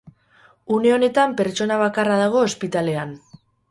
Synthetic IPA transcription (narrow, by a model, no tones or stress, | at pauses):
une̞o̞ne̞t̪ampe̞ɾt͡ʃo̞naβ̞akarað̞aɣ̞o̞ːspit̪ale̞an